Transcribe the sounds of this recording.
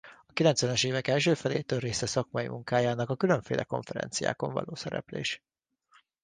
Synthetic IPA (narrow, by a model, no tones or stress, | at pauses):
ɒkilɛnt̪sʋɛnɛʃeːvɛkɛlʃøːfɛleːt̪øːreːsɛsɒkmɒjḭmuŋkaːjaːnɒkɒkylø̞ɱfeːlʔɛko̞ɱfɛɾɛ̰nt̪sija̰ːko̞ɱvɒ̰loːsɛɾɛ̰plḛːʃ